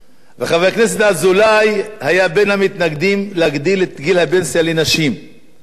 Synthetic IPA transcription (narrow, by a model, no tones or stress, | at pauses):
veχavejakne̞s̬e̞t̪azulajhajabe̞nhamit̪naɡd̪imleaɡd̪ilet̪ɡilhabe̞nsalenaʃim